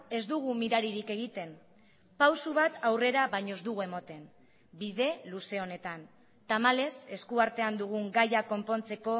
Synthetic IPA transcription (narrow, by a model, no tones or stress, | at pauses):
e̞zd̪uɣ̞umiɾaɾiɾike̞ɣ̞it̪e̞n | pawsuβ̞at̪awre̞ɾaβajɲo̞zd̪uɣue̞mot̪e̞n | biðe̞luse̞o̞ne̞t̪an | t̪amale̞se̞skuaɾt̪e̞and̪uɣ̞uŋɡajako̞mpo̞nt͡se̞ko̞